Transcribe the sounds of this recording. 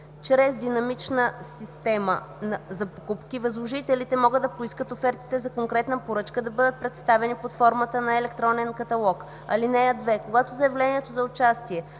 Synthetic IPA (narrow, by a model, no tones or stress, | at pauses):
t͡ʃɾɛzd̪inɐmit͡ʃnəsist̪ɛmə̰ | nɐzɐpo̥kupkivɐzlˠoʒit̪ɛlit̪ɛmɔɡəd̪ːɐpoiskət̪ofɛɾt̪i̥t̪ɛzɐkoŋkɾɛt̪nəpoɾɤt͡ʃkəd̪ɐbɤd̪ət̪̚pɾɛt̪st̪avɛnipot̪fɔɾmət̪ənɐɛlɛk̚t̪ɾɔnɛnkɐt̪ɐlˠɔk | ɐlinɛɐd̪vɛkoɡat̪ozɐjɛvlɛniɛt̪ozɐʊt͡ʃast̪iɛ